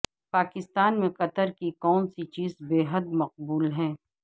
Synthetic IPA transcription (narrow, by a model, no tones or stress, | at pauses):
paːkɪst̪aːnmẽqɐt̪əɾkikɔːnsit͡ʃiːzbeːɦəd̪̚mɐq̚buːlɦɛ̃ː